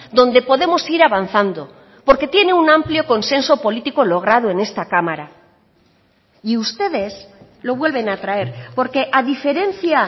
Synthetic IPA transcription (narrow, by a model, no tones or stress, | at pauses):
d̪õ̞nd̪e̞po̞ðe̞mo̞siɾaβan̟θand̪o̞ | po̞ɾke̞t̪je̞ne̞unãmpljo̞ko̞nse̞nso̞po̞lit̪iko̞lo̞ɣ̞ɾað̞oe̞ne̞st̪akamaɾa | iust̪e̞ðe̞s | lo̞βwe̞lβe̞nat̪ɾae̞ɾpo̞ɾke̞ʔaðife̞ɾe̞nθja